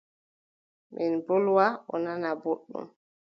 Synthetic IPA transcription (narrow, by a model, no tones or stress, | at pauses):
mʔinbɔlwaɔ̰nanaboɗːṵm